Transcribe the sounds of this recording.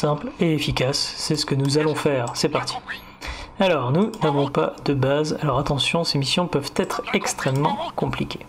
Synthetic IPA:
sɛ̃pleefikʲasːɛsə̥kənuzalɔ̃fɛːʁsɛpaʁt̪ʰi̥ | alɔːʁnunavɔ̃pa̰d̪əbaza̰lɔʁat̪ɑ̃sjɔ̃semisjɔ̃pœvt̪ɛt̪χɛkst̪χɛmːɑ̰̃kɔ̃plikʲʰe

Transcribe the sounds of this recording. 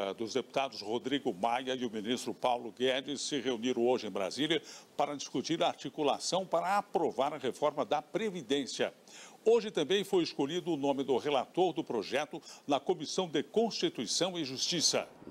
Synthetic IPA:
d̪ʊzd̪epu̥t̪ad̪ʊshod̪ɾiɡʊmajɐiʊminist̪ɾʊpawlʊɡɛd͡ʒɪssɪʁeuniɾɐ̃w̃oʒɪẽj̃bɾa̰ziljɐpaɾɐd͡ʒiskut͡ʃiɾɐaːɾt͡ʃikula̰sɐ̃w̃paɾɐapɾovaɾɐʁefɔɾmɐd̪ɐpɾevid̪ẽsiɐ̰oʒɪt̪ɐ̃mbẽj̃fojeskoʎid̪ʊːnõmɪd̪ʊʁelat̪oɾd̪ʊpɾoʒɛt̪ʊnɐkomisɐ̃w̃d̪ɪkõst͡ʃit̪uisɐ̃w̃ɪʒust͡ʃisɐ̰

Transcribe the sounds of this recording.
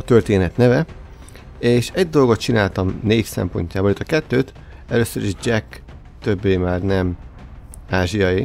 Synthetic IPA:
t̪ørt̪eːnɛt̪nɛvɛ | eːʃɛɟ̚d̪o̞lɡo̞t̪̚t͡ʃinaːlt̪ɒmneːfsɛ̰mpo̞̰ɲcaːbolet̪ːɒkɛt̪ːøːt̪ | ɛløːsːøɾiʒd͡ʒɛk | t̪ø̞bːeːmaːrnɛm | aːʒijɒji

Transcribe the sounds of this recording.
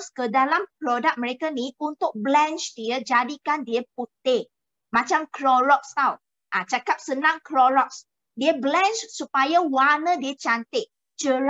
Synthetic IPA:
skədalampɾodak̚mə̃ɾekaniunt̪ʊk̚blɛ̃nt͡ʃdiəd͡ʒadikandiəp̚ut̪ɪ | mãt͡ʃamkɾɔɾɔk̚st̪aw | ʔat͡ʃakap̚sənãŋkɾɔɾɔk̚s | diəblɛ̃nt͡ʃsupajawanə̃diət͡ʃant̪ɪʔ̚ | t͡ʃə

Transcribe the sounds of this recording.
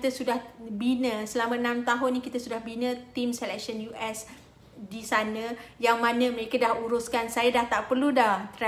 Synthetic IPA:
kit̪əsudahbinə̃səlamãnãmt̪aɦʊnːikit̪asudahbinə̃t̪imsɛlɛk̚sənjuʔɛs | disanə̃jaŋmanə̃məɾekadahuɾʊskansajadaht̪aʔpərludaht̪ɾa

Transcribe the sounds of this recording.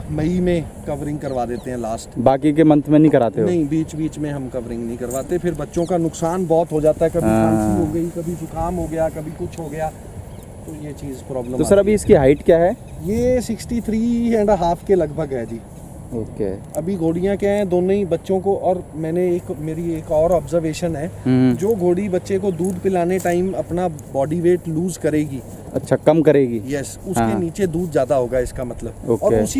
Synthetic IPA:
mɐimẽkɐʋəɾɪ̃ŋɡ̚kɐɾʋaːd̪eːt̪eɦɛ̃laːsʈbaːkik̬emɐ̃nt̪ʰmẽnɐɦĩkɐɾaːt̪enɐɦĩbiːt͡ʃbiːt͡ʃmẽɦɐmkɐʋəɾɪ̃ŋɡnɐɦĩkɐɾʋaːt̪epʰɪɾbɐtːʃõkanʊksaːnbɔːt̪ɦod͡ʒaːt̪aɦɛkɐbʱiãːsiɦoɡɐikɐbʱid͡ʒokaːmɦoɡɐjakɐbʱikʊt͡ʃʰɦoɡɐjaː | t̪ojet͡ʃiːzpɾɔːblə̃moasɐɾɐbʱiɪskiɦaːɪʈkjaːɦɛː | jeːsɪksʈit̪ʰɾiːɛ̃ɳɖɦaːpʰkelɐɡbʱəɡɦɛːd͡ʒiː | oːkḛː | ɐbʱiɡʱoːɽijãkjaɦɛ̃d̪oːnõibɐtːʃõkoʔɔːɾmɛ̃ːneeːkmeːɾieːkɔːɾɔːbzəɾʋeːʃənɦɛ̃ːd͡ʒoːɡʱoːɽibɐtːʃekod̪uːd̪pɪlaːneʈaːɪmɐpnabɔːɖiʋeːʈluːzkɐɾeːɡiː | ɐ̰tːʃʰakɐmkɐɾeːɡijɛsʊskeniːt͡ʃed̪uːd̪zjaːd̪aɦoːɡaɪskamɐt̪ləboːkɔːɾeʊsi

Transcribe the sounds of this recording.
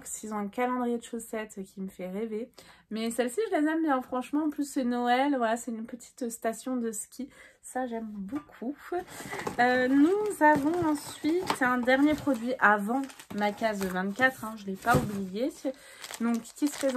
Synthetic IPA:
ksizɔ̃ɛ̃kalɑ̃d̪ʁijed̪əʃosɛt̪kʲiməfɛʁevemɛsɛlsiʒəlezɛmbjɛ̃fχɑ̃ʃmɑ̃ːplysːɛnɔɛlvwalasɛt̪ynpət̪ʰi̥t̪st̪asjɔ̃d̪əskʲi | saʒɛmbokʰu | ønuzavɔ̃ɑ̃sɥit̪ʰɛ̃d̪ɛʁnjepχɔd̪ɥiʔavɑ̃makʲazvɛ̃t̪kʲat̪χɛ̃ʒəlɛpaublije | d̪ɔ̃kːʲisə̥pχez

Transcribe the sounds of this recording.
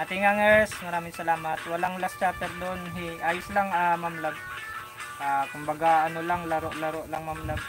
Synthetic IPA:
ʔat̪iŋaŋɛsmɐɾaːmɪŋsɐlaːmat̪wɐlaŋlast͡ʃaːt̪ɛɾd̪onɦiʔaːjʊslaŋamamlab̚ | ʔakʊmbaɡaɐnolaŋlɐɾoʔlaɾoʔlaŋmamlab̚

